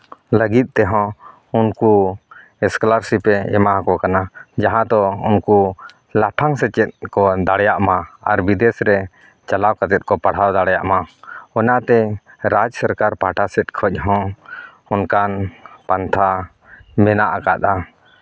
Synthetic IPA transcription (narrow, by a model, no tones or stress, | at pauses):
ləɡit̪̚ˀt̪ɛɦɔ̃ | unku | ɛsklaɾsipɛɛ̰maɦakɔkanad͡ʒaɦãd̪ɔunku | lapʰaŋsɛt͡ʃɛt̪̚kɔd̪aɽjaʔmaaɾbid̪ɛsɾɛ | t͡ʃalawkat̪ɛt̪̚kɔpaɽ̤awd̪aɽjaʔmaɔnat̪ɛɾad͡ʒsəɾkaɾpaʈasɛt̪̚kʰɔc̚ˀɦɔ̃ | unkanpant̪ʰa | mɛnaʔakat̪a